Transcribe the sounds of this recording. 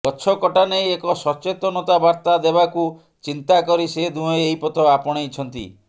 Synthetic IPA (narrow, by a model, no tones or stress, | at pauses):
kɔt͡ʃʰɔkɔʈanejekɔsɔt͡ʃet̪ɔnɔt̪abaɾt̪ad̪ebaku | t͡ʃint̪akɔɾised̪ũɔeejpɔt̪ɔapɔɽ̃eit͡ʃʰɔnt̪ḭ